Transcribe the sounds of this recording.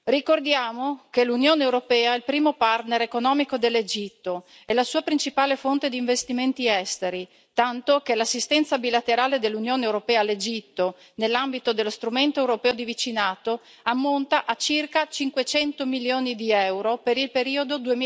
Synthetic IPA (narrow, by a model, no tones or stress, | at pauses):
rikord̪jaːmokelunjoːneːwɾopɛːailpɾiːmopart̪neɾekonɔːmikod̪elːed͡ʒit̪ːo | ɛlasuːapɾint͡ʃipaːlefont̪ed̪iːɱvest̪iment̪iɛst̪eɾi | t̪ant̪okelasːist̪ɛnt̪sabilat̪eɾaːled̪elːunjoːneewɾopɛːalːed͡ʒit̪ːo | nelːambit̪od̪elːost̪ɾument̪oewɾopɛːod̪ivit͡ʃinaːt̪o | amːont̪aʔat͡ʃirkat͡ʃiŋkwet͡ʃɛnt̪omiljoːnid̪iɛwɾopeɾilpeɾiːod̪od̪ue